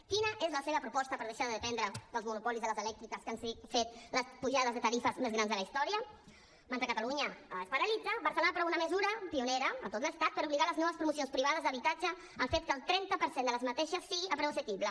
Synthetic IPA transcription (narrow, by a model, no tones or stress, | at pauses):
kinəʔezləseβəpɾupɔst̪əpəɾð̞əʃaɾðəðəpɛnd̪ɾəðəlˠzmunupɔlizðələzalɛk̚t̪ik̪əskansəɣit̪fet̪ləspuʒaðəzðət̪aɾifəzmezɣɾanzðəlaist̪ɔɾiə | mant̪əkat̪aluɲəəspaɾalid̪d͡zaβaɾsəlonapɾɔunaməzuɾəpiuneɾəːt̪ot̪ləst̪at̪̚pəɾuβliɣaləznɔβəspɾumusionspɾiβ̞að̞əzðəβit̪ad͡ʒə | aɱfet̪̚kəlˠt̪ɾɛnt̪əpəɾsend̪ələzmat̪eʃəsːiɣiʔapɾesəkiβlə